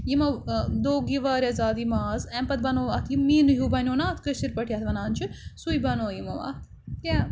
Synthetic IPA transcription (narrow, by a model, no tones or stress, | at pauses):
jimɐd̪oːɡiʋaːɾʲɐzaːd̪imaːzɛmpɐt̪̚bɐnoːʋaːt̪ʰjimmiːnɨɦuːbɐnʲoːnaːt̪ʰkəʃiɾpɐʈʰijaːt̪ʋɐnaːnʲt͡ʃʰɨsujbɐnoːjimoʋa̰ːt̪ | jʲa